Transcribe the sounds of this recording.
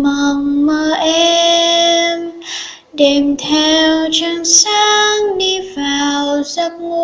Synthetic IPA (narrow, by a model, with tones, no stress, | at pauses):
mə˨˩ŋməː˧˩ʔɛ˧ | m | ɗe˨˩mt̪ʰɛ˧wt͡ɕə˧ŋsaː˦˧ŋɗi˧vaː˨˩wza˦˥p̚ŋu˧